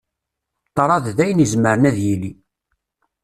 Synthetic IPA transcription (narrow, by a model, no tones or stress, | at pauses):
t̪ːɑɾˤɑððæjənizməɾənæðjili